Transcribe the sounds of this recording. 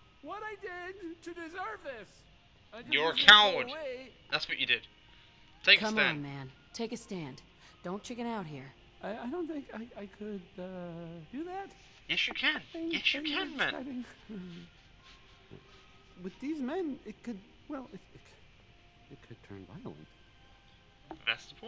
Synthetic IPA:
wʌɾaɪdɪd̚tʰɨdɨzɜ˞vðɪs | aɪjə˞kʰãʊ̃dweɪ | ðætswʌt͡ʃɨdɪd̥̚ | tʰeɪkʰʌ̃mãnmæ̃n | tʰeɪkɨstæ̃nd | d̥õʊ̃nt͡ʃʰɪkɨ̃ɾaʊt̚ɦiɹ | aɪaɪɾõʊ̃nθɪ̃ŋkaɪkaɪkʰɨdʌdɨðæt̚ | jɛsjɨkʰæ̃nɪ̃jɛsjɨkʰæ̃nmɛ̃a̰ɾɪ̃ŋ | wɨðizmɛ̃nɪt̚kʰɨd̚ | wɛlˠɪfɪtkʰ | ɨt̚kʰɨd̚tʰɜ̰̃˞nva̰ɪl̩ˠə̰̃nd | ðæ̰tsðəpʰɔ

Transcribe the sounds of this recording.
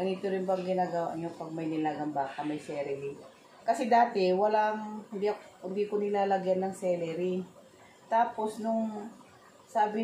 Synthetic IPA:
ɡɐniːt̪oɾɪnbɐŋɡɪnaːɡɐwa̰ʔɲopɐɡ̚mɐjnɪlaɡɐnbaːkɐmɐjsɛːɾɛɾi | kɐsɛd̪aːt̪ɛwɐlaŋnd̪ihɪnd̪iːkonɪlaːlɐɡjanːɐŋsɛlɛɾi | t̪aːpo̞snʊŋ | saːbɪ

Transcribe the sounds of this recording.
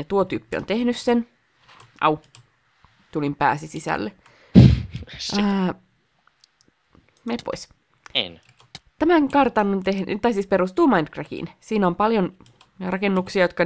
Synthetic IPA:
jɑt̪uot̪yːpːio̰nt̪ehnyssen | ʔɑ̰w | t̪ulimpæ̰ːsisisæ̰lːe | əː | mepo̰is | t̪æmæŋkɑrt̪ɑnont̪ehnt̪ɑisiːspeɾust̪uːmɑind̪krækḭnsiːnompɑljon | rɑkenːuksiɑjot̪kɑ

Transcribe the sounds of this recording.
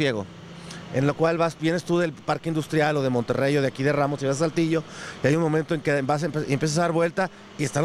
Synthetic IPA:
je̞ɣo̰ | e̞̰nlo̞kwalβasbje̞nest̪uðe̞lpaɾke̞ind̪ust̪ɾjalo̞ðemo̞nt̪e̞̰rejoðeakiðe̞ramosiβasalt̪iʝo̞iajunmõ̞mẽnt̪o̞e̞ŋkebas̬mpeiempje̞s̬as̬aðaɾβwe̞lt̪a | iest̪aɾ

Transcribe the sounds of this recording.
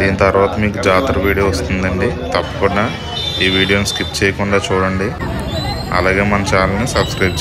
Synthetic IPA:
d̪iːnit̪ɐɾʋaːt̪ɐmiːkud͡ʒaːt̪ɾɐʋiːɽijoːʋɐst̪und̪ɐɳɖit̪ɐpːɐ̥kuɳːɐ | iːʋiːɽijoːnskipt͡ʃɛːjɐkuɳɖaːt͡ʃuːɽɐɳɖi | ɐ̰laːɡe̞ːmɐnɐmt͡ʃaːlɐnusɐbskɾɐjb̚t͡ʃ

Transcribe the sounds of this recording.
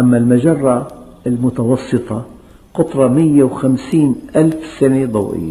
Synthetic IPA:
ʔamːalmad͡ʒɑrˤːɑ | ɪlmʊt̪ɑwɑsˤːɨt̪ˤɑ | qʊt̪ˤɾˤɑmɪjːawxamsiːnʔalfsaned̪ˤɑwʔɪ̰jːa

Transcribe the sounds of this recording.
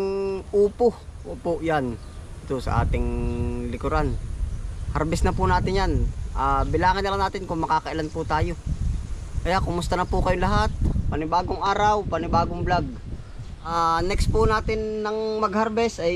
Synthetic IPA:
ŋuːpo | ʔuːpʊʔjan | ɪt̪osɐ̰ʔa̰ːt̪ɪŋlɪkoɾan | hɐɾbɛsnɐpʊnaːt̪ɪnjanʔaːbɪlaːŋɪnːɐlaŋnaːt̪ɪnkʊŋmɐkaːkɐʔɪlanpʊt̪aːjo | kɐjaʔkʊmʊst̪ɐnɐpʊkɐjʊŋlɐɦat̪̚pɐnɪbaːɡoŋʔaːɾawpɐnɪbaːɡoŋblaɡ̚ | ʔaːnɛkspʊnaːt̪ɪnːɐŋmɐɡ̚hɐɾbɛsʔɐj

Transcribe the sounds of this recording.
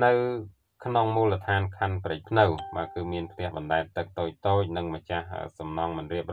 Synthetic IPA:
nɨw | kʰnoŋmuːlət̪ʰaːnkʰanprɨc̚pʰnɨwɓakɨːmiənpʰt̪ɛ̆əhɓɑnɗaɛm̚t̪ɨk̚t̪oːc̚t̪oːc̚nɨŋmət͡ɕahə̰sɑmnɑːŋmɨnriəp̚r

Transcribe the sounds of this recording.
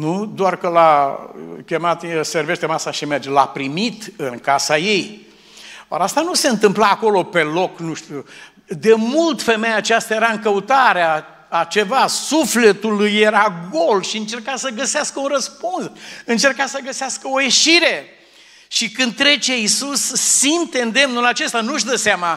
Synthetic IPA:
nud̪oarkəla | kʲe̞mat̪serve̞ʃt̪emasaʃimerd͡ʒla̰pɾimit̪ɨnkasaje̞j | a̰ɾast̪anuse̞ɨnt̪ɨmplaːko̞lo̞pe̞lo̞knuʃt̪u | d̪e̞mult̪fe̞mejat͡ʃast̪ajeɾaɨŋkəut̪aɾeaː | t͡ʃe̞vasufle̞t̪ulujeɾaɡo̞lʃiɨnt͡ʃe̞rkasəɡəseaskəunrəspunsɨnt͡ʃe̞rkasəɡəseɪaskəo̞je̞ʃiɾe̞ | ʃikɨnd̪̚t̪ːɾe̞t͡ʃe̞isusːint̪e̞ɨnd̪e̞mnulat͡ʃe̞st̪anuʃd̪əseama

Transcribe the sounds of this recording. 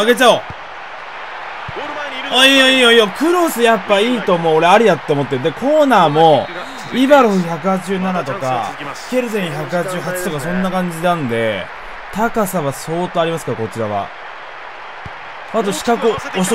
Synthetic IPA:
aɡe̞t͡ɕao | oioiːoiokɯ̟ɾo̞sɨjapːaiːt̪o̞ːmo̞ːɾe̞aɾʲid̪at̪ːe̞omo̞t̪ːed̪e̞kʰo̞ːnaːmo̞ | ibaɾoɯ̟çak̬ɯ̟hat͡ɕiʑɨːnanat̪o̞ka̰ke̞ɾɯ̟zẽ̞ɰ̃çakɯ̟hat͡ɕiʑɨːɦat͡ɕi̥t̪o̞kasõ̞nːakãɲ̟d͡ʑinãnd̪e̞̰ | t̪akasaβaso̞ːt̪o̞aɾʲimasɨ̥kako̞t͡ɕiɾaβ̞a̰ | at̪̬o̞ɕi̥kakɯ̟oɕ

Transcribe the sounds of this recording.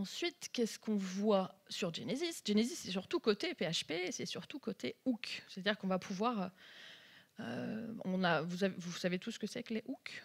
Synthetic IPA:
ɑ̃sɥit̪kʲɛskɔ̃vwasyʁʒenezisdʒenezisːɛsyʁt̪ukot̪epeaʃpeːsɛsyʁt̪ukot̪eukʲse̥t̪ad̪iʁkɔ̃vapʰuvwaʁø | ø̰ɔ̰̃navusavevusavet̪usːə̥kəsɛkleʔukʲ

